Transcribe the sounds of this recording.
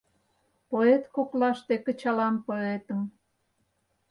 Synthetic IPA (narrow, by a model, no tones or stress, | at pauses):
poet̪koklɑʃt̪ekə̆t͡ɕɑlɑmpoet̪əm